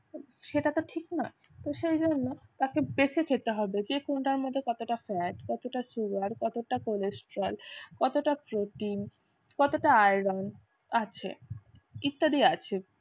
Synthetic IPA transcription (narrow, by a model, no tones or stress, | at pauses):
ʃeʈat̪oʈʰiknɔe | t̪oʃejd͡ʑonːot̪akebet͡ɕʰekʰet̪eɦɔbed͡ʑekoɳʈaɾmod̪ʱːekɔt̪oʈafɛʈkɔt̪oʈasuɡaɾkɔt̪oʈakolesʈɾolkɔt̪oʈapɾoʈin | kɔt̪oʈaajɾɔn | at͡ɕʰḛ | it̪ːaɽiat͡ɕʰe